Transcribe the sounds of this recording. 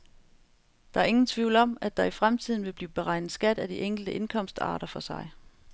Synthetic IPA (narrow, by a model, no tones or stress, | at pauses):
d̥ɑ̈æɐe̝ŋn̩t͡sʰʋiʊlɒ̽mæd̥ɑ̈ifʁamt͡sʰið̞̰ˠn̩ʋe̝b̥liːb̥e̝ʁɑ̈ɪ̰nð̩ˠsɡ̥æd̥æd̥iʔeŋ̰ɡ̥l̩d̥əʔe̝nkʰɒ̽m̰sd̥ɑ̰̈ːɾ̥ɐfɒ̽sɑ̈ɪ